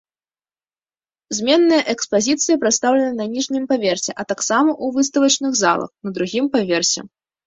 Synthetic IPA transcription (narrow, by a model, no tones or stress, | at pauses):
zʲmʲɛnːɨjɐʔɛkspazʲit̪sɨjɐpɾat̪st̪awlʲɛnɨnɐnʲiʐnʲimpavʲɛrsʲɛʔɐt̪aksamɐʔuvɨs̬t̪ɐvɐt͡ʂnɨɣza̰lˠɐ̰xnɐd̪ɾuɣʲimpavʲɛrsʲɛ̰